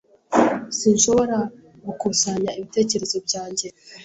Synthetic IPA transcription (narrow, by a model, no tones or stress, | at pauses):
sinʃo̞βo̞ɾa | ɡukusaɲaiβite̞ːce̞ɾe̞zo̞bɟaːɲɟe